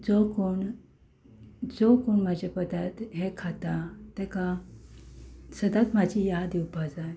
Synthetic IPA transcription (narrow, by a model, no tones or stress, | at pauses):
d͡zokoɳ | d͡zokoɳməd͡ʑepəd̪at̪ɦekʰat̪at̪ɛka | səd̪at̪mad͡ʑijad̪iupad͡zaj